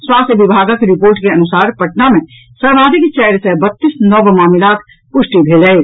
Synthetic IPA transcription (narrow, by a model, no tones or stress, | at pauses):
swaːst̪ʰjəʋɪbʱaːɡakeɾɪpoːɾʈkeɐnʊsaːɾpəʈnamẽ | səɾmaːd̪ikt͡ʃɛːɾsebət̪ːisnɔbmaːmɪlaːt̪ʰ | pʊʃʈibʱeːlɛ